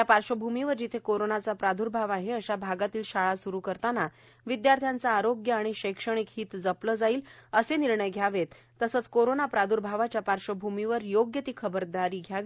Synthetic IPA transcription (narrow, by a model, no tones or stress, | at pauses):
japaɾɕəbʱumiʋəɾd͡ʑit̪ʰekoɾonat͡sapɾad̪ʱuɾbʱaʋaɦeəɕabʱaɡat̪iːlɕaɭasuɾuːkəɾt̪ana | ʋid̪jaɾt̪ʰjant͡saːɾoɡjəaɽ̃iɕekʂəɽ̃ikɦiːt̪d͡zəpləːd͡zaiːləseniɾɳəjɡʱjaʋet̪ːəsəːt͡skoɾonapɾad̪ʱuɾbʱaʋat͡ɕjapaɾɕəbʱumiʋəɾjoɡjət̪iːkʰəbəɾd̪aɾiːɡʱjaʋi